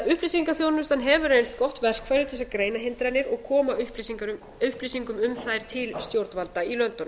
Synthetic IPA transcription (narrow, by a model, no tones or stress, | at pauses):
ʏhplisiŋkaθjoːwnʏst̪anɦɛvʏɾrejnst̪̚kɔht̪vɛr̥kfɛɾɪɾt̪ʰɛsːakɾeːjnaɦɪnt̪ɾajnɪɾɔɣkʰɔːmaʏh | ʏhplisiŋkʏmʏmθajɾ̥t̪ʰɪlst̪jowɾt̪valt̪ailœnt̪ːɔnʏ